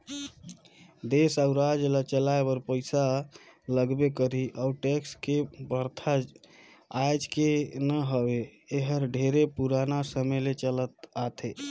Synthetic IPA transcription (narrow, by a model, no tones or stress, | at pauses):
d̪esauɾad͡ʒlət͡ʃəlaebəɾpəɪsaləɡbekəɾiʔauʈekskebəɾt̪ʰa | ajd͡ʒkenəɦəbeːɦəɾɖʱeɾepuɾanasəmelet͡ʃələt̪at̪ʰe